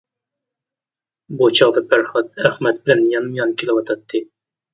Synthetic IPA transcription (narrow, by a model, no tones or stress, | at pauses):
but͡ʃʰɑʁd̪ɑpʰæɾχɑt̪̚æχmɛt̪bɪlɛnjɑnmjɑnkʲʰelɪwɑt̪ʰɑt̪ʰːɨ